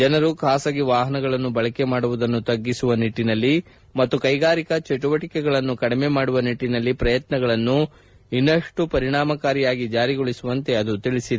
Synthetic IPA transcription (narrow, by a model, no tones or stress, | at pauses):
d͡ʒɛnɐɾukʰaːsɐɡiʋaːɦɐnɐɡɐɭɐnːubɐɭɐke̞maːɽuʋud̪ɐnːut̪ɐɡːisuʋɐniʈːinɐlːi | mɐt̪ːukɐjɡaːɾikɐt͡ʃɛʈuʋɐʈikɛɡɐɭɐnːukɐɽimemaːɽuʋɐniʈːinɐlːipɾɐjɐt̪nɐɡɐɭɐnːu | inːɐʂʈupɐɾiɳaːmɐkaːɾijaːɡid͡ʒaːɾiɡoɭisuʋɐnt̪e̞ɐd̪ut̪iɭisid̪